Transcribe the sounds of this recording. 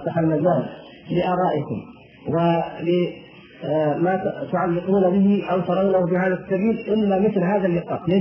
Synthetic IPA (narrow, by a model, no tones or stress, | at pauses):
sˤɑħalmazaːm | lɪʔɑːɾˤɑːʔɪkʊ̰m | wɪlɪ | mat̪ʊʕalːɪquːnabɪhɪʔawt̪ɑɾˤɑwnahʊbɪhaːðasːabiːlʔɪmːamɪθlɦaːðalːɪqɑːt̪le